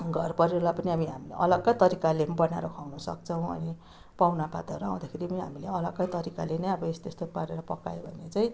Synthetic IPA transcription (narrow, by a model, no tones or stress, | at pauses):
ɡʱʌrpʌɾiolapʌniamiɦamileʔʌ̰lʌɡːʌjt̪ʌɾikalebʌna̰ɾokʰawnʌsʌ̰k̚t͡sʰʌw̃ʌ̰ni | pawnapa̰t̪ʌɾua̰w̃d̪akʰeɾipʌniɦamileʌlʌɡʌjt̪ʌɾikalenʌjʌbʌest̪est̪opaɾeɾʌpʌka̰jobʱʌnet͡sajĩ